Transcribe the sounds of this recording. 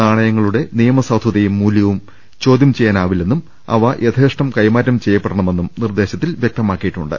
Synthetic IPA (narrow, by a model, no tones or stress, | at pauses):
aːɳɐjɐŋːɐɭuɽe̞nijɐmɐsaːd̪ʱwɐðɐjumːuːljɐʋum | t͡ɕo̞ːd̪ʱjɐmt͡ɕejːaːnaːʋile̞nːum | ɐ̰ʋɐʔet̪ʰeːʂʈɐmkɐjmaːɾːɐmt͡ɕe̞jːɐpːeɽɐɳɐme̞nːumnird̪e̞ːɕɐt̪ːilʋjɐk̚t̪ɐmaːkːijiʈːuɳɖɨ̰